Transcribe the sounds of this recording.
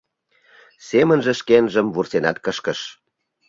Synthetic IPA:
semənʒəʃkenʒəmβursenɑt̪̚kəʃkəʃ

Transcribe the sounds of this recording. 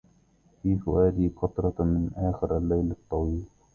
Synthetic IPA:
fiːfʊwaːd̪iːqɑt̪ɾˤɑt̪mɪnʔaːxɪɾʔalːajlɑt̪ˤːɑwiːl

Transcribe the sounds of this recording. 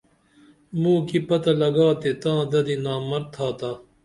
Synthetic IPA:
mũːkipɐt̪ɐlɐɡaːt̪et̪ãːd̪ɐd̪inaːmɐɾt̪ʰaːt̪aː

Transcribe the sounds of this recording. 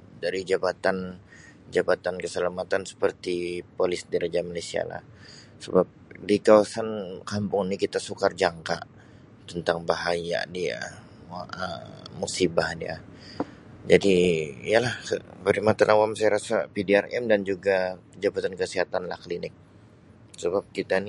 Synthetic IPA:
daɾid͡ʒabat̪an | d͡ʒabat̪ankəsəlamat̪ansə̥pərt̪ipolɪsdiɾad͡ʒamalasia̰la̰h | səbap̚dikawasankampʊŋnikit̪asukard͡ʒaŋka̰ʔ | t̪ənt̪aŋbaɦaja̰dia̰ | əmusibahdia̰ | d͡ʒadiijalahə̰pəɾimat̪anʔawamsajaɾasapidiarɛmdand͡ʒuɡakəd͡ʒabat̪ankəsiɦat̪anlahklinɪk̚ | səbap̚kit̪ani

